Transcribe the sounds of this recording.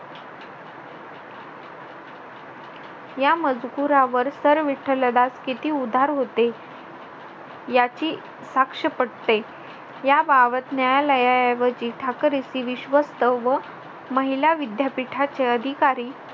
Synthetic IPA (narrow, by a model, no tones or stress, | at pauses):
jaməd͡zɡuɾaʋəɾsəɾʋiʈʰːələd̪askit̪iːud̪ʱaɾɦot̪e | jat͡ɕiː | sakʂəpəɽt̪e | jabaʋət̪najaləjajaʋət͡ɕiːʈʰakɾisiːʋiɕʋəst̪əʋə | məɦilaʋid̪japiʈʰat͡ɕeəd̪ʱikaɾiː